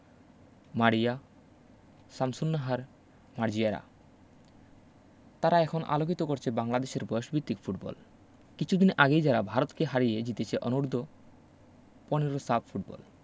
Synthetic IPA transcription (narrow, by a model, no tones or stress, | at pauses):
maɽija | samsunːaɦaɾ | maɾd͡ʑijaɾa̰ | t̪aɾaɛkʰonʔa̰lok̬it̪okoɾt͡ɕʰebaŋlad̪eʃeɾbɔjoʃbʱit̪ːikfʰuʈbɔ̰l | kit͡ɕʰud̪inʔaɡejd͡ʑaɾabʱaɾot̪keɦaɾijed͡ʑit̪et͡ɕʰeʔɔnuɾd̪ʱo | pɔneɾosabfʰuʈbɔ̰l